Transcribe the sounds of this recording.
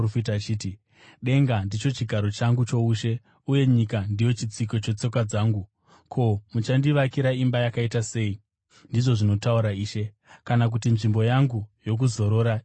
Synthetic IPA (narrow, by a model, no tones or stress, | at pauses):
fitat͡ʃiːti | ɗe̞ŋɡandit͡ʃo̞t͡ʃiɡʱaɾo̞t͡ʃaŋɡut͡ʃo̞uʃe̞ | uje̞ɲikandijo̞t͡ʃit͡siko̞t͡ʃe̞t͡so̞kad͡zaːŋɡu | kʰo̞mut͡ʃandiʋakiɾaimbajakaitase̞i | ndiʐo̞ʐino̞tauɾaiːʃe̞ | kanak̬utinʐimbo̞jaŋɡujo̞k̬uzo̞ɾo̞ːɾa